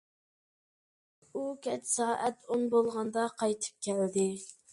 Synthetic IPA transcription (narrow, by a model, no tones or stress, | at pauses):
ukʲɛt͡ʃsɑːʔɛt̪ʰonbolˠʁɑnd̪ɑqʰɑjt̪ʰɨ̥p̚kʲʰæld̪ɪ